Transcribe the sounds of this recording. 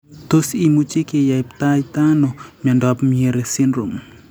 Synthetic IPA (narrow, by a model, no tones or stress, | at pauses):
t̪osimut͡ʃikejapt̪ajt̪anɔmɔndɔpmieɾesinɾom